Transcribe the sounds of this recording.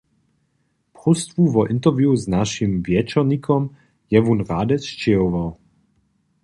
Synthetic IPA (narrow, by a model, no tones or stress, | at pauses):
pʁust̪vuvɔʔɪnt̪ɛʁvjuznaʃimvjɛt͡ʃɔʁɲikʰɔm | jɛvunʁaːd̪ɛsʃt͡ʃɛɔvaw